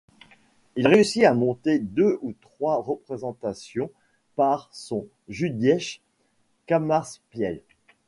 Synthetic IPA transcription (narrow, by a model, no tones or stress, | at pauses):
ilʁeysiamɔ̃t̪ed̪øut̪χwaʁəpχezɑ̃t̪asjɔ̃ | paʁsɔ̃ | ʒyd̪jɛʃ | kamaʁspjɛl